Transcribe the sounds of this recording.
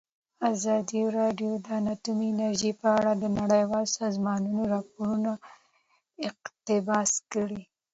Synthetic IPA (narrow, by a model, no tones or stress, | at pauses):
azɑd̪iɾɑɖjod̪əanat̪umiɪnaɾʒipəaɽad̪ənaɽəjwɑlsɑzmɑnunoɾɑpoɾuna | ɪqt̪ɪbɑskəɽi